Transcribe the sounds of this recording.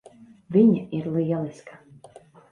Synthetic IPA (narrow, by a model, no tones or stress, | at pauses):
vʲiɲaiɾlˠiːɛlˠiskḁ